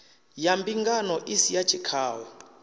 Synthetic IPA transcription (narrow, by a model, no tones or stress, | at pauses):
jambiŋɡanɔʔisijḁt͡ʃʰikʰaːwɔ